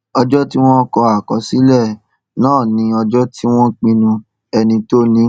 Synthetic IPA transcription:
ɔ˧d͡ʒɔ˦ti˦w̃ɔ̃˦kɔ˧a˨kɔ˨˧si˨˦lɛ˦˨ | nãː˦˨nĩ˧˦ɔ˧d͡ʒɔ˦tʰi˦w̃ɔ̃˦k͡pĩ˧nũ˧ | ɛ˧nĩ˧to˦nĩ˨˦

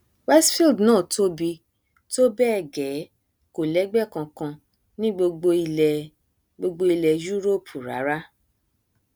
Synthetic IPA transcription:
wɛ˦sfi˦˨ldnãː˦˨to˦bi˧ | to˦bɛ˦ɛ˦˨ɡɛ˨˦ | ko˨lɛ˨˦ɡ͡bɛ˦˨kã˧kã˧ | nĩ˦ɡ͡bo˧ɡ͡bo˧i˧lɛ˨ | ɡ͡bo˧ɡ͡bo˧i˧lɛ˧ju˦ɾo˦˨pʰu˨ɾa̰˨˦ɾa˦

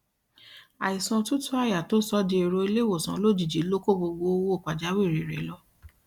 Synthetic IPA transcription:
a˨i˨sɔ̃˧tũ˦tʰu˦a˦˨ja˨to˦sɔ˦di˧e˨ɾo˧i˧le˦wo˨sã˨˦lo˦˨d͡ʒi˨d͡ʒi˨˦lo˦ko˦˨bo˧ɡ͡bo˧wo˦o˦˨k͡pa˨d͡ʒa˨˦we˦˨ɾe˨ɾɛ̰˨˦lɔ˧˦

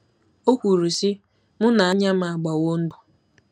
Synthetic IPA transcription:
o˦kʷu˨ɾu˨si˦ | mʊ˦na˨a˦ɲa˦m̩˦˨a˨ɡ͡ba˨wo˦n̩˦du˨

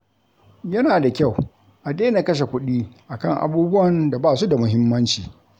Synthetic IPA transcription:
jɐ˦naː˨da˨kʲa˦˨w | ʔa˨deː˦na˨kɐ˦ʃ̬e˨kʷʊ˦ɗiː˦ʔa˨kɐ˦ŋʔa̰˨buː˦bʊ˦wɐ˨nda˨baː˦˨su˦da˨mʊ˦ɦɪ˦mːɐ˦nt͡ʃiː˨

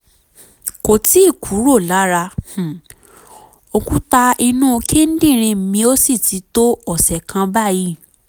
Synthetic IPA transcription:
ko˨ti˨˦i˦˨kʰu˨˦ɾo˦˨la˨˦ɾa˧h̩˨ | o˧ku˦ta˧i˧nũ˦˧kʰe˦n̩˦dĩ˦˨ɾ̃ĩ˧m̩˨mĩ˧o˦si˦˨ti˨˧˦to˦ɔ˦˨sɛ˨kʰã˧ba˦˨ji˦˨

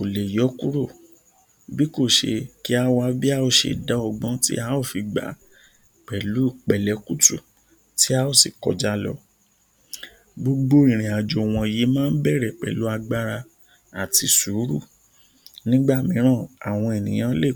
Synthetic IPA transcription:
o˨le˨jɔ˨˦ku˦ɾo˦˨ | bi˦ko˦˨ʃḛ˧ki˦a˦wa˧bi˦a˦o˦˨ʃḛ˨da˨˦ɔ˧ɡ͡bɔ̃˦tḭ˦a˦o˦˨fi˧ɡ͡ba̰˨˦ | k͡pɛ˨lu˨˦˨k͡pɛ˨lɛ˨˦ku˦tu˦˨ | ti˦a˦o˦˨si˨kɔ̰˨d͡ʒa˦lɔ˧ | bo˧ɡ͡bo˦i˨ɾ̃ĩ˨a˨d͡ʒo˨w̃ɔ̃˧˨je˨˦mãː˦n̩˦bɛ˦˨ɾɛ˨k͡pɛ̰˨lu˨˦a˧ɡ͡ba˦ɾa˧ | a˨ti˧su˨˦ɾṵ˦˨ | nĩ˦ɡ͡ba˦˨mĩ˨˦ɾ̃ã˦˨a˨w̃ɔ̃˧e˨nĩ˨j̃ã˨˦le˦˨

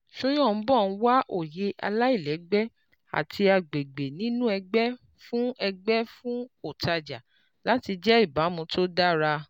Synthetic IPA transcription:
ʃũ˦jɔ̃˦˨n̩˦bɔ˦˨n̩˦wa˦ʔo̰˨je˨˦ʔa̰˧la˦i˦˨lɛ˨˦ɡ͡bɛ˦ | a̰˨tʰi˧a˧ɡ͡be˨ɡ͡be˨nĩ˦nũ˦ɛ˧ɡ͡bɛ˦ | fũ˦ɛ˧ɡ͡bɛ˦fũ˦o˦˨ta˧d͡ʒa˨ | la˦ti˧d͡ʒɛ˦i˦˨ba˨˦mũ˧tʰo˦da˦ɾa˧

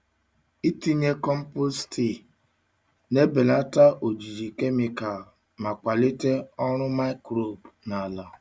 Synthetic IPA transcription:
i˦ti˦ɲe˦kɔ˦m̩˦po˦sti˨ | ne˦be˨la˦ta˦ʔo˨d͡ʒi˨d͡ʒi˨ke˦mi˨ka˨l | ma˨kʷa˨le˦te˦ɔ˦ɾ̃ʊ˦ma˦ɪ˦kɾo˨bna˨la˨

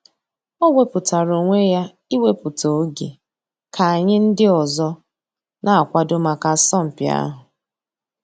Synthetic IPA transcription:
o˦we˦pʊ˨ta˨ɾo˨ŋʷe˦ja˦ | i˦we˦pʊ˨to˨˦ɡḛ˨ | kʰa˨a˨ɲɪ˦n̩˦dɪ˦ɔ˨zɔ˦ | na˨a˨kʷa˦do˦ma˨ka˨sɔ˦m̩˨pja̰˦ɦʊ˨

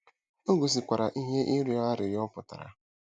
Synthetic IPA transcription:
o˦ɡo˨s̬i˨kʷa˨ɾa˨ʔi˦ɦe˦ʔi˦ɾi˨˦ɔ˦a˦ɾɪ˨ɾɪ˦ɔ˦pʊ˨ta̰˨ɾa̰˨

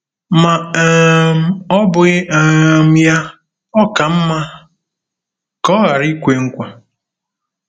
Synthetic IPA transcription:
ma˨ | m̩˨˦ɔ˦bʊ˨˦˨m̩˦ja˦ | ɔ˦ka˨m̩˦ma˦ | kɔ˦ɣa˨ɾi˦kʷe˦ŋ̩˦kʷa˨

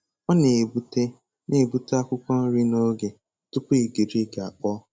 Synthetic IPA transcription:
ɔ˦ne˨bu˦te˦ | ne˨bu˦te˦a˦kʷʊ˦kʷɔ˦n̩˦ɾi˦no˦ɡe˨ | tʊ˦pʊ˦i˨ɡi˨ɾi˦ɡa˨k͡pɔ˦

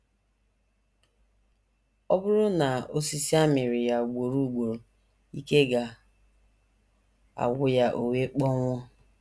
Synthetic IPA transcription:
ɔ˦bʊ˦ɾʊ˦na˨o˦si˦si˦a˦mɪ˨ɾɪ˨ja˨ɡʷo˨ɾu˦˨ɡ͡bʷo˨ɾo˨ | i˦ke˦ɡa˨ | a̰˨ɡʷʊ˦ja˦ʔo˨we˦k͡pɔ˦ŋʷʊ˦

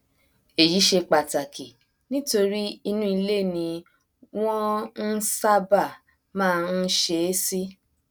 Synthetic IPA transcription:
e˨ji˨˦ʃe˧k͡pa˨ta˨kʰi˨ | nĩ˦to˧ɾi˦i˧nũ˦i˧le˦˨nĩ˧ | w̃ɔ̃˦n̩˦sa˦ba˦˨ | mãː˦˧n̩˦ʃe˧˦si˦

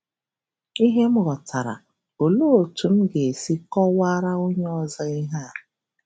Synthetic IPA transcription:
i˦ɦe˦m̩˦ɣɔ˨ta˨ɾa̰˨ | o˨lo˦o˨tu˨m̩˦ɡe˨e˨si˦kɔ˦wa˦ɾa˦o˦ɲ˦ɔ˦za˦i˦ɦa˦˨

